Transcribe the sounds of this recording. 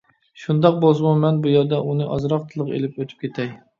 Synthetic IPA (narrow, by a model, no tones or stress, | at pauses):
ʃund̪ɑq̚bolˠsɨmumɛnbujɛɾd̪ɛʔunɨʔɑzɾɑqt̪ʰɨlˠəqḛlɪpøt̪ʰy̥p̚kʲʰet̪ʰɛj